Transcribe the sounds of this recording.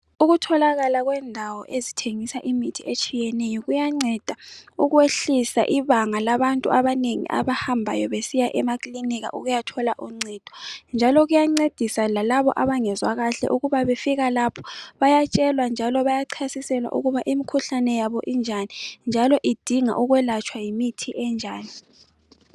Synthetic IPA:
uɣutʰɔlaɣalaɣwɛndʱawɔʔezitʰeŋisaʔimitʰiet͡ʃʼijɛnɛjɔɣujaŋ͡ǀɛd̥ʱauɣweɬisa̰ʔiβaŋalaβantʼṵaβaneŋḭʔa̰βahambʱa̰jɔβesijaʔɛmakʼliniɣa̰ʔuɣujatʰɔlaʔuŋ͡ǀɛd̥ʱɔnd͡ʒʱalɔɣujaŋ͡ǀed̥ʱisalalaβɔ̰ʔaβaŋɛzwaɣaɬɛ̰ʔuɣuβaβefiɣalapʰɔ̥βajat͡ʃʼɛlwand͡ʒʱalɔβajaǀʰasisɛlwa̰ʔṵɣuβaʔimikʰuɬanɛjaβɔʔind͡ʒʱanind͡ʒʱalɔʔid̥ʱiŋa̰ʔuɣwɛlat͡ʃʰʼwajimitʰiʔɛnd͡ʒʱaːni

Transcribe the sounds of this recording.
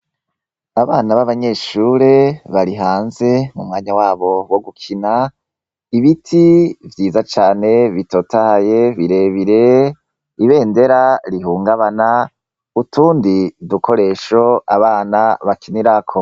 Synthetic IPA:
aβaːnaβaβaɲe̞ʃuɾe̞βaɾiɦaːnze̞mumŋaːɲawaːβo̞wo̞ɡukʰina | iβitʰivjiːzat͡ʃaːne̞βitoːtahajeβiɾe̞βiɾe̞ | iβe̞ːnde̞ɾaɾiɦuːŋɡaβana | utʰuːndiduko̞ɾe̞ʃo̞aβaːnaβakiniɾakʰo

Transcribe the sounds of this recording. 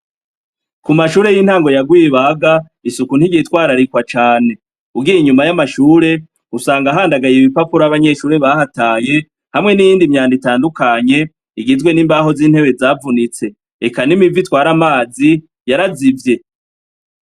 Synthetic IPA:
kumaʃuːɾe̞jiːn̥haːŋɡo̞jaɡwiβaaɡa | isukun̥iɟiitwaːɾaɾikwat͡ʃaːne̞ | uɡiɾiɲumajamaʃuːɾe̞ | usaːŋɡaɦaːndaɡajiβipapuɾaaβaɲe̞ʃuːɾe̞βahataːje̞ | hamŋe̞nijiːndimɲaːnditaːndukaɲe̞ | iɡizɡwe̞niːmbaɦo̞ziːn̥he̞βe̞zaːvunit͡se̞ | ekanimivitwaːɾamaːzi | jaɾazivje̞

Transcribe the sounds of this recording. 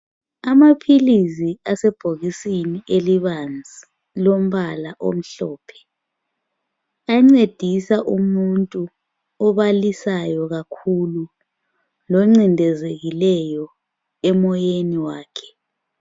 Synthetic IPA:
amapʰiliziasɛb̥ʱoɣisiniʔeliβand͡zʱi | lom̩βalaʔo̰m̩ɬɔːpʰɛ̥ | aŋ͡ǀed̥ʱisaʔumuntʼu | ɔβalisajɔɣakʰulu | lɔŋ͡ǀindʱɛzeɣilɛjɔ | ɛmɔjeniwaːkʰɛ̥

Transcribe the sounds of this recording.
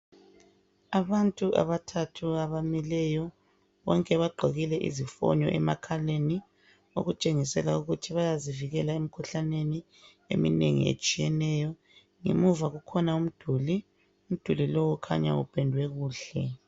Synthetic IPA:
aβantʼuʔa̰βatʰatʰuaβamilɛjɔ | βɔŋkʼɛβaɡ͡ǃʱoɣilɛʔḭzifɔ̰ɲɔ̰ʔɛmakʰaleni | o̰ɣut͡ʃʼeŋisɛlauɣutʰiβajaziviɣɛlaem̩kʰuɬaneni | ḛmḭnḛŋḭḛt͡ʃʼijɛnɛːjɔ | ŋḛmuvaɣukʰɔnaum̩d̥ʱuli | um̩d̥ʱulilɔwɔkʰa̰ɲa̰ṵpʰɛndʱwɛɣuːɬɛ

